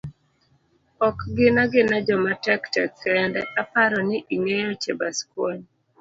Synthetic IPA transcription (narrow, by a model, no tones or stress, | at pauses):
ɔkɡɪnaɡɪnad͡ʒɔmatɛktɛkːɛndɛʔapaɾɔnɪʔiŋejɔt͡ʃebaskwoɲ